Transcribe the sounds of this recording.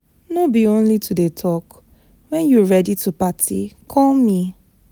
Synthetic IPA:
nobiõnlitudetʰɔk | wɛ̃njuɹɛditupatʰḭkʰɔlmi

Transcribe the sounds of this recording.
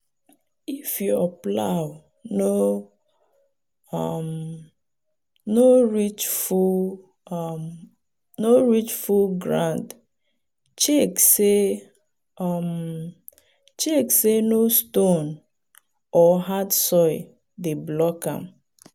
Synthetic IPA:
ifjuaplaw | no | ɔm | noɹit͡ʃfu | noɹit͡ʃfulɡɹã̰nd | t͡ʃekse | m | t͡ʃeksenoston | ɔɦatsɔɪ | deblɔkã̰m

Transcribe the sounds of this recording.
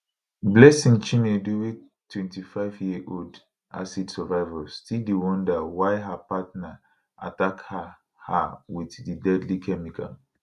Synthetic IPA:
blɛsĩŋt͡ʃĩneduwe | tːwɛ̃ntifaɪvjiʔold | ʔa̰sidsɛvaɪvalstildewɔ̃ndawaɪɦapatna | ʔa̰takha | hawiθdidɛdlikʰɛmika̰

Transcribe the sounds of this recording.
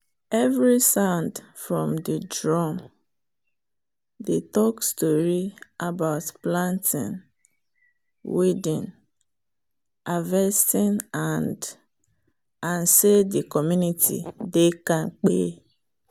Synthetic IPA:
ɛvɾisãʊndfɹɔ̃mdidɹɔm | detɔkstɔɾiʔabaʊtplãntʰɪ̰̃n | wedĩn | avɛstɪ̃nand | ãnsedikɔmjunitʰḭdekãŋk͡pḛ

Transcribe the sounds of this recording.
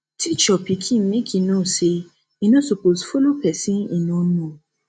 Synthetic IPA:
tʰit͡ʃɔpikʰĩnmekʰinɔ̃se | inõsoposfolopɛsĩĩnɔ̃nũɔ̃

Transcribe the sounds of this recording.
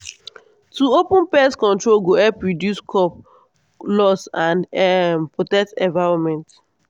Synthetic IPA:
tuopũnpɛskɔ̃ntɹolɡoɛpɹɔdjuskʰɔp | lɔsãndɛpɹɔtɛk̚tɛ̃ɱvaɹɔmɛ̃nt

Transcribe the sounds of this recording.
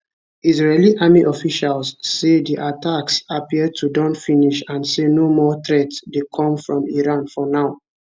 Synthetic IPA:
izɹeliʔamiʔɔfiʃalsːediʔatʰaksapiəd̚tʰudɔ̃ntfĩniʃãnsenomɔtɹɛtdekʰɔ̃mfɹɔ̃miɹãnfɔnaʊ

